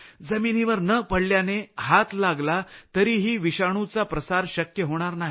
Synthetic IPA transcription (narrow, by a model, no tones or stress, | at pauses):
d͡zəminiːʋəɾnəpəɽljaneɦat̪laɡlat̪əɾiːɦiːʋiɕaɽ̃ut͡sapɾəsaɾɕəkjəɦoɽ̃aɾnaɦi